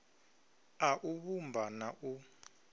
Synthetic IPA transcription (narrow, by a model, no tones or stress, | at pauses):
aʔuɓumbʱanaʔu